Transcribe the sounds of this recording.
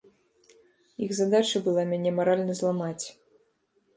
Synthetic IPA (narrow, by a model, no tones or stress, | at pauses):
jixzad̪at͡ʂɨbɨlˠamʲanʲɛmaɾalʲnɐzlˠamat͡sʲ